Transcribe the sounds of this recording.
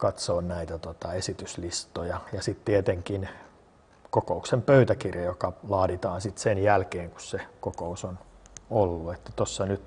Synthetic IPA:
kɑt̪soːnnæit̪æt̪ot̪ɑesit̪yslist̪ojɑjɑsit̪t̪iet̪eŋkin | kokouksempøyt̪ækirjɑjokɑlɑːɾit̪ɑːnsit̪senjælkeːŋku̥ssekokousonolːuet̪ːæt̪osːɑnyt̪

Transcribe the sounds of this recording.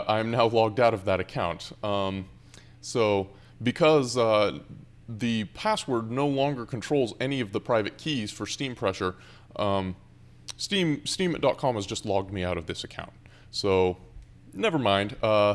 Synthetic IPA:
ʔãɪɨ̃mnaʊlɔɡ̚daʊɾʌvðɨɾɨkʰãʊ̃nt | soʊ | bɨkʰʌz | ðɨpʰæswə˞dⁿnoʊlɔ̃ŋɡə˞kʰn̩tʰɹ̥oʊlˠzɛniʌvðəpʰɹ̥aɪvɨt̚kʰiz̥fə˞stĩmpʰɹ̥ɛʃə˞ | stĩmstĩmɨt̚d̥ɑt̚kʰɑ̃mɨzd͡ʒʌstˡlɔɡ̚d̚miaʊɾʌvðɪsɨkʰã̰ʊ̃nt | soʊ | nɛvə˞mãɪ̃nd̥ʌ

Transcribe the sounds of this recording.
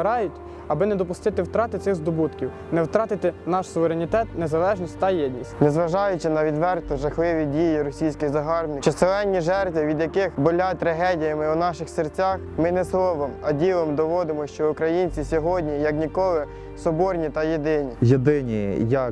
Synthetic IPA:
ɾɑjʊtʲ | ɐbɪnɛd̪ɔpʊst̪ɪt̪ɪwt̪ɾɑt̪ɪt̪sɪxzd̪ɔbut̪kʲiw | nɛwt̪ɾɑt̪ɪt̪ɪnɑʃsʊʋeɾenʲit̪ɛt̪nezɐlˠɛʒnʲisʲtʲt̪ɐjɛdʲnʲisʲtʲnɛzʋɐʒɑjʊt͡ʃɪnɐʋʲid̪ʋɛrt̪ɔʒɐxlˠɪʋʲidʲijiɾɔsʲijsʲkɪɣzɐɦɑrbnɪt͡ʃɔselˠɛnʲːiʒɛrt̪ʋʲiʋʲid̪jɐkɪxbɔlʲat̪ɾɐɦɛdʲijɐmɪunɑʃɪxsert͡sʲaxmɪnɛslˠɔʋɔmɐdʲilˠɔmd̪ɔʋɔd̪ɪmɔʃt͡ʃɔukɾɐjinʲt͡sʲisʲɔɦɔdʲnʲijɐknʲikɔlˠɪ | sɔbɔrnʲit̪ɐjed̪ɪnʲijed̪ɪnʲijɐk

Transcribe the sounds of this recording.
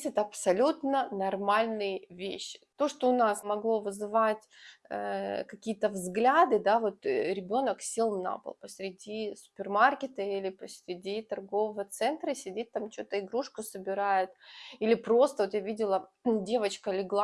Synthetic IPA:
tʲɛt̪əɐpsɐlʲut̪nənɐrmalʲnɨjɪvʲḛɕːɪ̥t̪oʂt̪oʊnasmɐɡlˠo̞vɨzɨvatʲə̰kɐkʲijət̪əvzɡlʲad̪ɨd̪avo̞t̪ɾʲɪbʲo̞nəksʲilˠna̰pə̰lˠpəsʲɾʲɪdʲisʊ̥pʲɪrmarkʲɪt̪əilʲɪpəsʲɾʲɪdʲit̪ɐrɡo̞vəvət̪sɛnt̪ɾəsʲɪdʲet̚ʲt̪amt͡ɕot̪əɪɡɾuʂkʊsəbʲɪɾajʊt̪ilʲɪpɾo̞st̪əvot̪javʲidʲɪlˠədʲe̞vət͡ɕkəlʲɪɡlˠa

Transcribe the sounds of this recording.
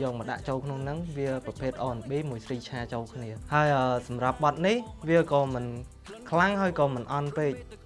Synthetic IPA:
jɔːk̚məɗa̰ʔt͡ɕoːlkʰnoŋnɨŋʋiəprɑpʰeːt̪̚ʔɑːnɓiːmuəjsriːt͡ɕʰaːt͡ɕoːlkʰniəhaəjʔəːsɑmrap̚ɓɑt̪̚nihʋiəkɑːmɨn | kʰlaŋhaəjkɑːmɨnʔɑnpeːc̚

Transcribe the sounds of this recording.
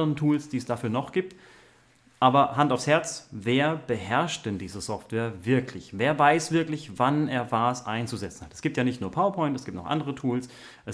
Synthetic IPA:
əʁəntʰuːlsd̥iːɛsd̥afyːɐnɔχɡ̥iːp̚t | ʔaːbɐɦantaʊfshɛɐt͡sveːɐb̥əhɛɐʃt̚d̥ɛndiːzəsɔftv̥eːɐvɪɐklɪçveːɐvaɪsv̥ɪɐklɪçvaneːɐvaːsʔa̰ɪnt͡suzɛt͡sn̩hatɛsɡ̥iːp̚tjaːnɪçtnuːɐpʰaʊɐpʰɔʏntɛsɡ̥iːptnɔχʔa̰ndəʁ̞ətʰuːls | ʔɛ

